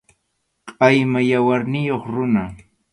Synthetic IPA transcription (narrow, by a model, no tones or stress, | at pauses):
qʼɑjmajawaɾnɪjoχɾʊna